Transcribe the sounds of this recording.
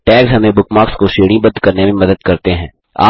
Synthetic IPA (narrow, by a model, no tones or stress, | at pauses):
ʈɛːksɦɐmẽbʊkmaːkskoʃeːɽ̃ĩbɐ̃d̪kɐɾnemẽmɐd̪əd̪̚kɐɾt̪eɦɛ̃ː | a̰ː